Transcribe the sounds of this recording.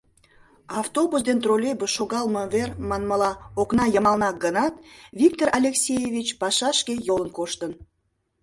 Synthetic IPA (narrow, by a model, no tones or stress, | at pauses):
ɑft̪obusd̪ent̪rolʲebeʃoɣɑlməvermɑnməlɑoknɑjəmɑlnɑk̚ɡənɑt̪vʲik̚t̪orʔɑlʲeksʲejevʲit͡ɕpɑʃɑʃkejolənkoʃt̪ən